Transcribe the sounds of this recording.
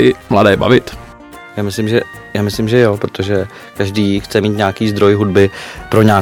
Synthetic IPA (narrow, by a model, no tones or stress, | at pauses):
ɪmladɛːba̰vɪt̪ | jaːmɪslɪmʒɛ | jaːmɪslɪmʒɛjopɾo̞t̪oʒɛ | kaʒdiːxt͡sɛmiːt̪ɲaːkiːzd̪ɾo̞jɦudbɪpɾo̞ɲaː